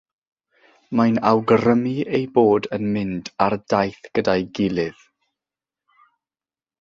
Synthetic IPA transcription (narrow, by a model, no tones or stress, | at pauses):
majnawɡɾəmiejboːdənmɪndardajθɡ̥ədajɡɪlˠɪð̥